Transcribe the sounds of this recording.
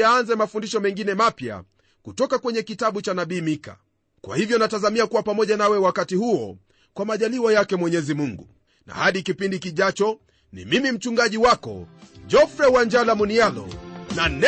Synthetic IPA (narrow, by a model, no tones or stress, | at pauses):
aanzɛmafundiʃɔmɛŋɡinɛmapja̰ | kutɔkakwɛɲɛkitaɓut͡ʃanaɓiːmika̰ | kwa̰hivjɔnatazamiakuwapamɔʄanawɛwakatihuɔ̰ | kwamaʄaliwajakɛmwɛɲɛzimuŋɡu | na̰haɗikipindikiʄat͡ʃɔ | nḭmimim̩t͡ʃuŋɡaʄiwakɔ̰d͡ʒɔfɾɛwand͡ʒalamunialɔ̰nanɛ